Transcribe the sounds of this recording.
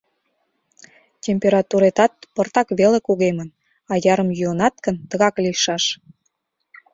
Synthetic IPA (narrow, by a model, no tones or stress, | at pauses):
tʲemʲpʲeɾɑt̪uɾet̪ɑt̪̚pərt̪ɑkβelekuɣemən | ɑjɑɾəmjyonɑt̪̚kənt̪əɣɑkliʃɑʃ